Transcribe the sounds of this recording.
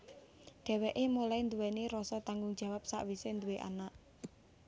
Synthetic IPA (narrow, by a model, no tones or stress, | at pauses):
ɖ̥ɛ̤wɛʔemulaind̪uwɛniɾɔsɔt̪aŋɡʊŋ̥d͡ʒ̥a̤wap̚sa̰ʔwisend̪uweʔa̰naʔ